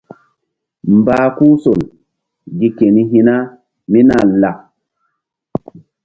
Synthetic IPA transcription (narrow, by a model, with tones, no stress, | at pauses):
mbaː˦ku˦so˨l | ɡi˦ke˨ni˦ɦi˦na˦ | mi˦na˨lːa˨